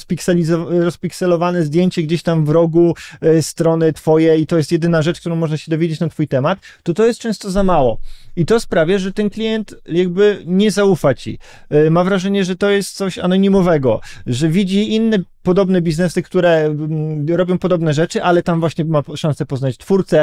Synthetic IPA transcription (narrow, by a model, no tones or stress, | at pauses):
spʲiksɛizɔɾɔspʲiksɛlɔvanɛzd̪jeɲt͡ɕɛɡd͡ʑeɕt̪amvɾɔɡust̪ɾɔnɘt̪fɔjɛit̪ɔjɛst̪jɛd̪ɘnaʐɛt͡ʂk̚t̪uɾɔ̃w̃mɔʐnaɕɛd̪ɔvʲed͡ʑet͡ɕnat̪fujt̪ɛmat̪ːɔt̪ɔjɛst̪̚t͡ʂɛ̃w̃st̪ɔzamawɔit̪ɔspɾavʲjaʐɛt̪ɛnklʲijɛnt̪jaɡbɘɲɛzaufat͡ɕḭ | mavɾaʐɛɲɛʐɛt̪ɔjɛst̪̚t̪sɔɕa̰nɔɲimɔvɛɡɔʐɛvʲid͡ʑiinːɛpɔd̪ɔbnɛbʲiznɛsɘkt̪uɾɛmɾɔbʲjɔ̃w̃pɔd̪ɔbnɛʐɛt͡ʂɘʔalɛt̪amvwaɕɲɛmaʂãnsɛpɔznat͡ɕt̪fuɾt̪sɛ